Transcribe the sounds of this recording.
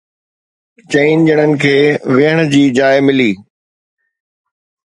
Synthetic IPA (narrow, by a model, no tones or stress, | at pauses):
t͡ɕəiːnd͡ʑəɽ̃ənɪ̆kʰeːʋɪɦəɽ̃d͡ʑiːd͡ʑaːɪmɪliː